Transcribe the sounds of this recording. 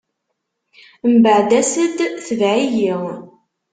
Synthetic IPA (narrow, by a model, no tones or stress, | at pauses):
mbəʕd̪æsəd̪θəvʕijiʁ